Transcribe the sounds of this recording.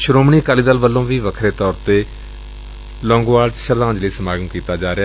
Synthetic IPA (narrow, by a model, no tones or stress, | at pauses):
ʃʊɾoːmɳiːkaːliːd̪əlʋəlːõːʋiːʋəkʰɾeːt̪ɔːɾt̪eː | lɔ̃ːŋɡʋaːɽʃəɾd̪ãːɲd͡ʒləiːsəmaːɡənkiːt̪aːd͡ʒaːɾe